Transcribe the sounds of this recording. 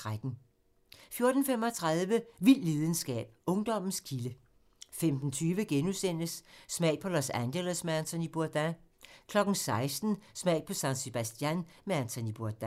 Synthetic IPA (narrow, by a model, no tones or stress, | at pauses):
ʁad̥n̩ | fjo̝ɐd̥n̩fem̰ɒt͡sʰʁɑðˠʋəʋil̰le̝ːð̞ˠn̩sɡ̥ɛ̰ːb̥̚ɔ̽ŋd̥ɒ̽m̰n̩skʰilə | femd̥n̩t͡sʰyːʋəɡ̥enusen̰əsːmɛ̰ɪ̥pʰɒ̽lɒsænd̥elæsmeænt͡sʰɒ̽nib̥uɐd̥ækʰlɒ̽ɡ̥n̩sɑ̈ɪsd̥n̩smɛ̰ɪ̰̥pʰɒ̽sænse̝b̥æsd̥jænmeænt͡sʰɔnib̥uɐd̥æ